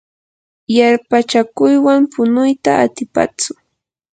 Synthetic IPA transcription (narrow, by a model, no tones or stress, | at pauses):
jaɾpat͡ʃakʊjwampʊnʊjt̪aʔat̪ɪpa̰t͡sʊ